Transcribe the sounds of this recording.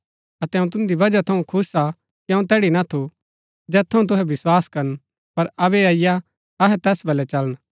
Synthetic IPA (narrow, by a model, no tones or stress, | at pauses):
ɐt̪ɛɦɐ̃ũt̪ʊ̃nd̪ibɐd͡ʒat̪ʰɐũkʰʊsa | kiɐ̃ũt̪ɛːɽinɐt̪ʰu | d͡ʒɛːt̪ʰːɐ̃ũt̪̬ʊɦɛʋɪswaːskɐɾən | pɐɾɐbɛaːɪja | ɐɦɛt̪ɛːsbɐlɛt͡ʃɐlən